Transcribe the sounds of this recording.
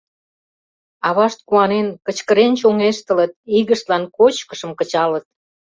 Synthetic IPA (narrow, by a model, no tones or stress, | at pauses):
ɑβɑʃt̪̚kuɑnenkət͡ɕkəɾent͡ɕoŋeʃt̪ə̆lət̪̚iɣəʃt̪lɑnkot͡ɕkə̥ʃə̆mkə̆t͡ɕɑlət̪̚